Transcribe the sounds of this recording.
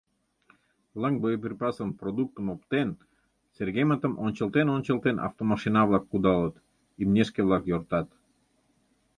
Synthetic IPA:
vlˠɑŋ̚bojəp̬erʲpɑsənprod̪uk̚t̪əmopt̪en | serɣemət̪əmʔonʲt͡ɕə̆lˠt̪enonʲt͡ɕə̆lˠt̪enʔɑ̰ft̪omɑʃinɑβlˠɑkːud̪ɑlət̪ | imnʲeʃkeβlˠɑkjort̪ɑt̪

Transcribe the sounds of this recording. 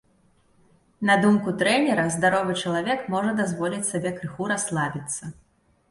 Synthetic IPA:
nɐd̪umkut̪ɾɛnʲɛɾɐzd̪aɾɔvɨt͡ʂɐlˠavʲɛkmɔʐɐd̪azvɔlʲit͡sʲsabʲɛkɾɨxuɾaslˠabʲit̪sːɐ

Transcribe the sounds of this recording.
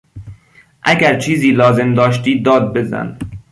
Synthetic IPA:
ʔæɡæɾt͡ʃʰiːziːlɒːze̞md̪ɒːʃt̪iːd̪ɒːd̪̚be̞zæ̰n

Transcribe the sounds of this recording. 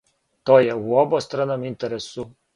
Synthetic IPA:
t̪oːjɛuobost̪ɾanomint̪ɛɾesu

